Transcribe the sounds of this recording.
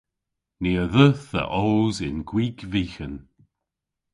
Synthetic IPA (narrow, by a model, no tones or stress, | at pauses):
niːəðəθðə̰ʔoːzɪnɡwiːɡviːxən